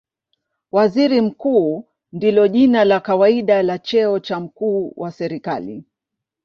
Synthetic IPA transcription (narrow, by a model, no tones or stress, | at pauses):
waziɾim̩kuː | ndilɔʄinalakawaiɗalat͡ʃɛɔt͡ʃam̩kuːwʔasɛɾikalḭ